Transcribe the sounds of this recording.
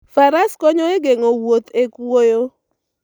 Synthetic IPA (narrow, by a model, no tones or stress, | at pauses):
faɾaskɔɲɔeɡeŋowot̪ekwojo